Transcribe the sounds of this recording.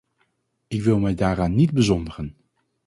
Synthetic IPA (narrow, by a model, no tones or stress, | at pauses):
ɪkʋɪlˠmɛjdaːɾaːnːidbəzɔndəχən